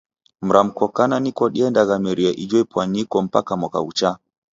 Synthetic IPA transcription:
m̩ɾam̩kɔkananikɔɗiɛndaɣamɛɾiɛʔid͡ʒɔipwanikɔm̩pa̰kamwaka̰ut͡ʃa

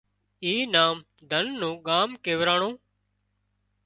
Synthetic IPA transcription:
iːnaːm | d̪ʱənːũːɠaːmkeːʋɾaːɳõː

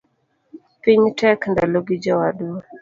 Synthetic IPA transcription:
piɲtɛkndaloɡid͡ʒɔwad

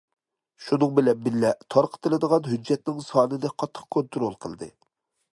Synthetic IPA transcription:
ʃunɨŋbɪlɛnbɪlːɛt̪ʰɑɾqʰə̥t̪ɨlˠɨd̪əʁɑnɦyd͡ʒːɛt̪̚nɪŋsɑːnɨnɨqʰɑt̪ʰːə̥q̚kʰont̪ʰʊɾolˠqʰəlˠd̪ɨ̰

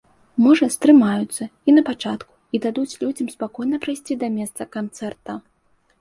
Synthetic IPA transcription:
mɔʐɐst̪ɾɨmajut̪sːɐinɐpat͡ʂat̪ku̥id̪ad̪ut͡sʲlʲud͡zʲɐmspakɔjnɐpɾajsʲt͡sʲid̪ɐmʲɛst̪sɐkant̪sɛrt̪ɐ

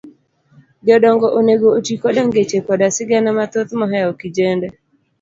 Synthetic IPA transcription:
ɡɔdɔŋɡɔʔoneɡootikɔdaŋɡet͡ʃekɔdasɪɡɛnamat̪ot̪mɔɦɛɔkid͡ʒendɛ

